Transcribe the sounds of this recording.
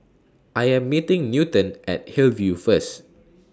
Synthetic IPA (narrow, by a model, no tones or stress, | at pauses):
ʔajɛ̃mːitɪ̃ŋnjutə̃nʔɛ̰t̚hilvjufəs